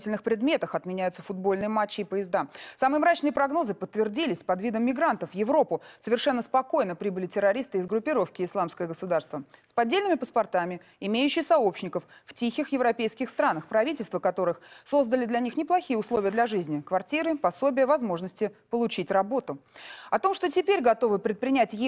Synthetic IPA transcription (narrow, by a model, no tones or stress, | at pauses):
tʲɪlʲnɨxpɾʲɪd̪mʲe̞t̪əxɐt̪mʲɪnʲæjʊt̪səfʊd̪̚bo̞lʲnɨjəmat͡ɕːɪːpəjɪzd̪asamɨjəmɾat͡ɕnɨjəpɾɐɡno̞zɨpət̪ːvʲɪrdʲilʲɪsʲpɐd̪vʲid̪əmːʲɪɡɾant̪əfjɪvɾo̞pʊsəvʲɪrʂɛnːəspɐko̞jnəpɾʲibɨlʲɪtʲɪɾɐɾʲist̪ɨɪzɡɾʊpʲːɪɾo̞fkʲɪɪslˠamskəjəɡəsʊd̪arst̪vəspɐdʲːelnɪmʲɪpəspɐrt̪amʲɪ | ɪmʲejʉɕːɪxsɐopɕnʲɪkəfftʲixʲɪxjɪvɾɐpʲejskʲɪxst̪ɾanəxpɾɐvʲitʲɪlʲst̪vəkɐt̪o̞ɾɨxso̞zd̪əlʲɪd̪lʲɐnʲixnʲɪplˠɐxʲijəʊslˠo̞vʲɪjəd̪lʲɐʐɨzʲnʲɪkvɐrtʲiɾɨpɐso̞bʲɪjəvɐzmo̞ʐnəsʲtʲɪpəlˠʊt͡ɕitʲrɐbo̞t̪ʊɐt̪o̞mʂt̪otʲɪpʲeɾʲɡɐt̪o̞vɨpɾʲɪt̪̚pɾʲɪnʲætʲj